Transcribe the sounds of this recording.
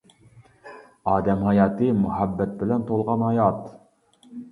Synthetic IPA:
ɑːd̪ɛmɦɑjɑːt̪ɨmuhæbːɛt̪̚bɪlɛnt̪ʰolˠʁɑnhɑjɑt̪

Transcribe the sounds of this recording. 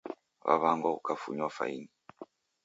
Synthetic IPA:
βa̰βaŋɡɔukafuɲafa̰ini

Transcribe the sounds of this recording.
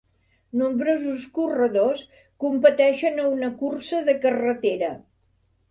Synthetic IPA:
numbɾozuskurəðos | kumpət̪ɛʃənəunəkursəðəkərət̪eɾə

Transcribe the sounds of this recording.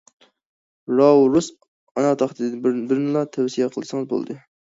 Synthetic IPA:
ɾɑwɾus | ɑnɑt̪ʰɑχt̪ʰɨd̪ɪbɪɾnɨlˠɑt̪ʰɛwsijɛqʰəlˠɨsɨŋəzbo̰lˠd̪ɨ

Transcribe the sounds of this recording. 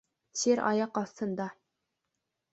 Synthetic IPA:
seɾɑ̰jɑqɑθt̪ɤ̆nd̪ɑ

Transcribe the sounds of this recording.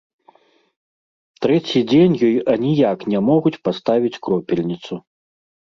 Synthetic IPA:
t̪ɾɛt͡sʲid͡zʲenʲjɔjɐnʲijaknʲɛmɔɣut͡sʲpast̪avʲit͡sʲkɾɔpʲɛlʲnʲit̪su

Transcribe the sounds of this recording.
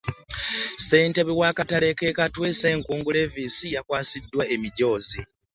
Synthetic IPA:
se̞ːnte̞βiwaːkatale̞ke̞katweːse̞ːŋkuːŋɡule̞ːviːsijakwaːsidːwaemiɟo̞ːzi

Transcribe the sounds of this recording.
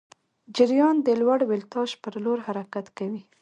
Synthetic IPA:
d͡ʒɪɾjɑnd̪əlwaɽwɪlt̪ɑʃpəɾloɾhaɾakat̪kawi

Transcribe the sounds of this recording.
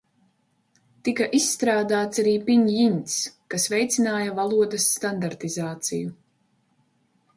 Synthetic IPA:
t̪ikaʔisːt̪ɾaːd̪aːt̪saɾiːpiɲjinʲt̪skasvɛjt̪sinaːjavalˠuɔd̪ɐsːt̪and̪aɾt̪izaːt̪siju

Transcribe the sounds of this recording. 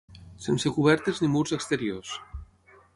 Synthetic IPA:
sensekuβɛɾt̪eznimuɾzəkst̪eɾios

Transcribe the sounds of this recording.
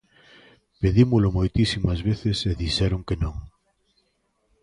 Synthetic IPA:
peðimʊlʊmojt̪isimɐzβeθɪseðiʃɛɾʊŋkenõŋ

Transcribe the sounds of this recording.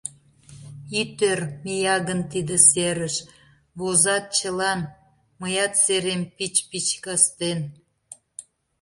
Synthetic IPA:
it̪ørmejɑɣənt̪id̪əseɾəʃ | βozɑt̪̚t͡ɕə̆lɑn | məjɑt̪seɾempit͡ɕpit͡ɕkɑst̪en

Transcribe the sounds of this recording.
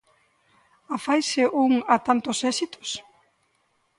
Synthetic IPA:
afajsɪʔuŋat̪ant̪ʊsɛsit̪ʊ̥s

